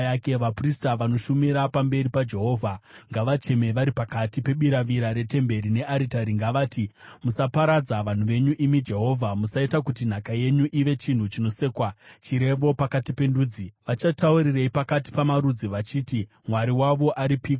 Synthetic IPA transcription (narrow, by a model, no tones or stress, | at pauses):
jake̞ʋapristaʋano̞ʃumiɾapambe̞ɾipad͡ʒe̞ɦo̞ːvʱaŋɡaʋat͡ʃe̞me̞ʋaɾipakatipe̞ɓiɾaʋiɾaɾe̞te̞mbe̞ɾine̞ʔaɾitaɾiŋɡaʋaːtimusapaɾad͡zaʋan̤uʋe̞ɲuʔimid͡ʒe̞ɦo̞vʱamusaitakutin̤akaje̞ɲuʔiʋe̞t͡ʃin̤ut͡ʃino̞se̞ːkwat͡ʃiɾe̞ʋo̞pakatipe̞nduːd͡ziʋat͡ʃatauɾire̞ipakati̥pamaɾud͡ziʋat͡ʃiːti | mwaɾiwaʋo̞ʔaɾipiːk